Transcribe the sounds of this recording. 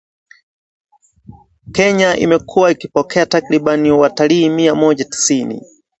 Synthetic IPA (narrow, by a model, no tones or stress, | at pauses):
kɛɲaʔḭmɛkʰuwaikipɔkʰɛatakɾiɓaniwataliːmiamɔʄati̥sinḭ